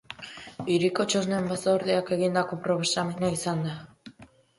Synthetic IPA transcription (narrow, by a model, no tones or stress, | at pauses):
iɾiko̞t͡ʃo̞znembasoɾðeake̞ɣind̪ako̞pɾo̞βesamenaisand̪a